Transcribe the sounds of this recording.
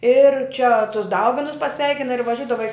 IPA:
ɪr t͡ʃʲɛ tʊs ˈdɐʊɡʲɪnʊs pɐˈsʲʋʲɛɪkʲɪnɐ ɪr ʋɐˈʒʲʊdɐʋɐ ɪ

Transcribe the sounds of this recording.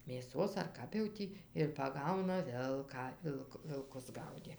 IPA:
mʲeːˈsoːs ɐr ˈkɐp jɛʊ ˈtʲiː ɪr pɐˈɡɐʊnɐ ˈʋʲɪlˠkɑː ˈʋʲɪlˠk ʋʲɪlˠˈkʊs ˈɡɐʊdʲeː

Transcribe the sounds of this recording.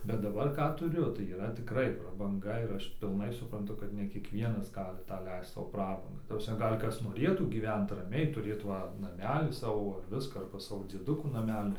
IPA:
bʲɛt dɐˈbɐr ˈkɑː tʊˈrʲʊ tɐɪ iːˈrɐ tʲɪˈkrɐɪ prɐbɐŋˈɡɐ ɪr ˈɐʃ pʲɪlˠˈnɐɪ sʊprɐnˈtʊ kɐt nʲɛ kʲiɛkˈʋʲiɛnɐs ˈɡɑːlʲɪ ˈtɑː ˈlʲɛɪst ˈsɐʊ ˈprɑːbɐŋɡɐ ˈtɐ prɐsʲˈmʲɛ ˈɡɐlʲ ˈkɐs noːˈrʲeːtuː ɡʲiːˈʋʲɛnt rɐˈmʲɛɪ tʊˈrʲeːt ˈʋɐ nɐˈmʲæːlʲiː ˈsɑːʋoː ˈʋʲɪskɑː ɐrbɐ ˈsɑːʋoː d͡zʲiɛˈdʊkuː nɐˈmʲæːlʲɪ

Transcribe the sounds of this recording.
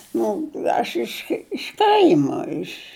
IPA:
ˈnʊ ˈɐʃ ɪʃ ɪʃ ˈkɐɪmɐ ɪʃ

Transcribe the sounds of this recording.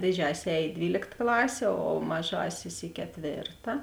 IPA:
dʲeːˈd͡ʒʲæːsʲɪs ˈɛːj ɪ ˈdʲʋʲiːlʲeːkt ˈklˠɑːsʲeː oː ˈmɑːˌʒɑːsʲɪs ɪ kʲɛˈtʲʋʲeːrtɐ

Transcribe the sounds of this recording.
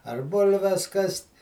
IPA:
ɐr ˈbʊlʲʋʲɛs ˈkɐsʲtʲ

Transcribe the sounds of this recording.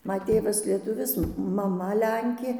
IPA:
ˈmɐ ˈtʲeːʋɐs lʲiɛˈtʊʋʲɪs mɐˈmɐ ˈlʲɛŋʲkʲeː

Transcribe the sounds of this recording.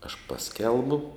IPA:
ɐʃ ˈpɑːsʲkʲɛlˠbʊ

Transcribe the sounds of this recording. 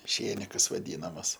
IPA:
ˈʃʲeːnʲɪkɐs ʋɐˈdʲiːnɐmɐs

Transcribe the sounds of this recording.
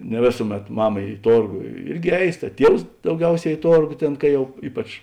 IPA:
nʲɛ ˈʋʲeːsʊˌmʲɛt ˈmɑːmɐ ɪ ˈtoːrɡoː ˈɪrʲɡʲɪ ˈɛɪs tɐ ˈtʲiɛws dɐʊˈɡʲɛʊˌsʲɛː ɪ ˈtoːrɡoː ˈtʲeːn kɐ ˈjɛʊ ˈiːpɐt͡ʃ

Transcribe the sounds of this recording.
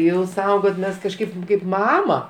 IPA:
ˈjɛʊ ˈsɐʊɡoːt ˈmʲɛs kɐʃˈkɐɪp kɐɪp ˈmɑːmɐ

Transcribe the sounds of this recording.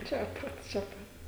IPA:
ˈt͡ʃʲɛ pɐt t͡ʃʲɛ ˈpɐt

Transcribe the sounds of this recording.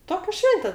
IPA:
ˈtoːkʲɛ ˈʃʲʋʲɛnʲtʲɛ

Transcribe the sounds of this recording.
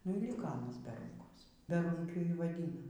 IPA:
nʊ iː ˈlʲiːkɐ ɐˈnɐs bʲɛ ˈruːŋkoːs bʲɛˈruːŋʲkʲʊ ˈjiː iː ʋɐˈdʲɪnɐ

